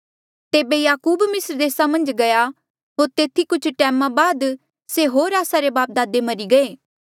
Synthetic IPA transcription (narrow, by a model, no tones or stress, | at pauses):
t̪eːbejaːkuːbmɪsəɾd̪eːsamɐ̃nd͡ʒɡɐja | ɦoːɾt̪eːt̪ʰikʊt͡ʃʰʈɛːmãbaːd̪ | seɦoːɾaːsaɾebaːp̚d̪aːd̪emɐɾiɡɐeː